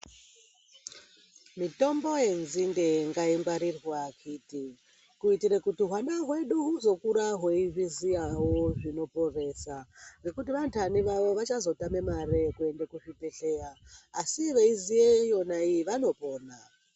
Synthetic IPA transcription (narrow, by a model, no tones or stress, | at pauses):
mito̞mbo̞je̞nzindeŋɡaiŋɡwaɾirwakʰiti | kuitirekutiɦwandaɦwe̞ɗuɦuzo̞kuɾaɦwe̞iʐizijawoʐino̞po̞re̞saɡe̞kutiʋantaniʋaʋo̞ʋat͡ʃazo̞tame̞marekue̞ndekuʐipe̞ɬe̞jaːsiʋeizijejo̞naijiʋano̞po̞ːna